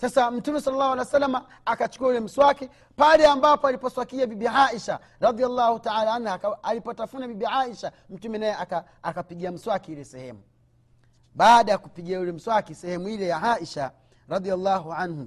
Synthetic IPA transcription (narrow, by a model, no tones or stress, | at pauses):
sasam̩tumɛsalalːahwalisalːamaː | kat͡ʃkuaulɛm̩swaki | palɛambapɔalipɔswakiabibiʕaʔiʃa | ɾɑd̪ijalːahutaʕalaanhuakaalipɔtafunabibiʕaiʃa | m̩tumɛnajɛaka | akapiɡiam̩swakiilɛsɛhɛ̰mu | ɓaːɗajakupiɡiaulɛm̩swakisɛhɛmuilɛjaʕaʔiʃa | ɾɑd̪ialːaɦuʕanhṵ